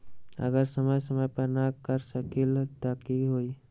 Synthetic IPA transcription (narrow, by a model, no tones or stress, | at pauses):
ə̰ɡəɾsəməjsəməjpəɾnakəɾsəkilt̪akiɦoːi